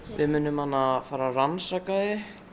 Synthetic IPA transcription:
vɪ̰ðmʏːnʏmanːaðfaːɾaransaːkaðɪ

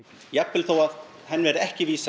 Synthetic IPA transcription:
japːɪlθoːwað | ɦɛnːvɛɾʏɛhcɪviːs

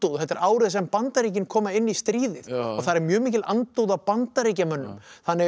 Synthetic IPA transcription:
t̪uwðɦɛt̪ːɪɾʔaːwɾɪðsɛmpant̪aɾiːc̬ɪnkʰɔːmaɪnːist̪ɾiːðɪðɔɣθaðɾɛɾmjœːmiːcɪlʔa̰nt̪uːwðawpant̪aɾiːcamœnːʏ̰mθanːɪ

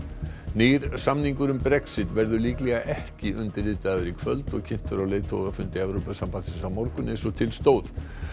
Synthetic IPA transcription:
neːjɾ̥samniŋkʏɾʏmpɾɛksɪt̪vɛɾðʏliːklɛɣaʔɛhcɪʔʏnt̪ɪɾlɪːt̪aðʏɾikʰvœ̰lt̪ɔɣcʰɪn̥t̪ʏɾawleːjt̪ʰoːɣafʏnt̪ɪɛvɾopasampansɪnsawmɔɾkʏnːɪsɔt̪ʰɪlst̪oːwð

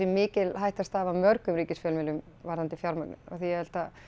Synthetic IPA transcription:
ɛmɪːcɪlɦajht̪ast̪aːvamœɾkʏmɾiːcɪsfjœːlmɪlʏm | vaɾðant̪ɪfjawɾmaknʏ̰nɔ̰θijɛhɛl̥t̪a

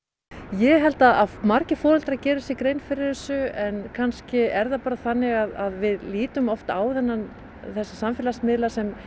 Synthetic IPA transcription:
jɛɦɛlt̪aðaðmaɾcɪfɔːɾʏlt̪ɾacɛːɾʏsɛkɾejnfɪɾɪɾ̥θɛsːʏɛnkʰanscɪɛɾðapaːɾaθanːɪɣaðaðvɪðliːt̪ʏmɔft̪a̰ːwðɛnːan | θɛsːasamfɛlasmɪðlasɛm

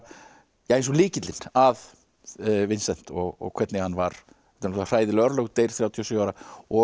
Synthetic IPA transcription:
jaẽjns̬ɔliːcɪt̪lɪnað | vɪnsɛn̥t̪ɔɣɔ̰ɣkʰv̥ɛt̪nɪhanːvaɾ̥ | ɛt̪anar̥aːjðɪlœɾlœwɣt̪eːjɾ̥θɾjawt̪ʰijɔsiʏawɾaɔ

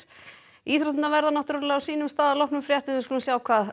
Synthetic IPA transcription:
iːθɾɔht̪navɛɾðanaht̪ʏɾlɛawsiːnʏmst̪aːðalɔwhknʏmfɾjaht̪ɪskɔlnasjaːwkʰvaːð

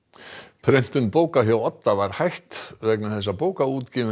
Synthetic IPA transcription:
pʰɾɛjn̥t̪ʏnpoːwkaɦjawɔt̪ːavaɾ̥hajht̪vɛknaθɛs̬ːapoːwkauːt̪cɪːvɪ

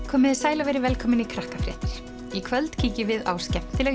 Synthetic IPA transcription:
kʰɔːmɪðɪsaːjlavɛjɾɪvɛlkʰɔːmɪnikʰɾahkafɾjɛ̰ːht̪ɪɾ̥ | ikʰvœlt̪cʰiːcɪvɪða̰wscɛm̥t̪ɪlɛ

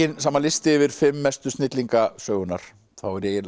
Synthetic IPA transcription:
ɪnsamːalɪst̪ɪːvɪɾ̥fɪmːɛst̪ʏst̪nɪt̪liŋkasœːɣʏnːaɾ̥ | θawɛɾjɛjɪ

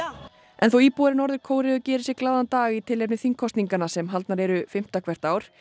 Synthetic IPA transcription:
ʔɛ̰nθowiːpuɾɪnɔɾðʏɾkʰoːwɾɪðʏcɛːɾɪsjɛklaːðant̪aːɣit̪ʰɪlep̬nɪθiŋkʰɔst̪niŋkanasɛmɦalt̪naɾɛɾʏfɪm̥t̪akʰvɛr̥t̪aːwɾ̥

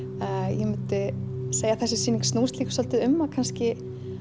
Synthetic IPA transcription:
jɛmʏnt̪ɪseːjaθɛsːɪsiːniŋkstnuːst̪liːkʏ̥sɔlt̪ɪðʏmːakʰanscɪ

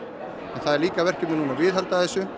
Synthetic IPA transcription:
ɛ̃nθaðɛɾliːkavɛr̥cɪpnɪnuːnavɪːðhalt̪aðɛsːʏ

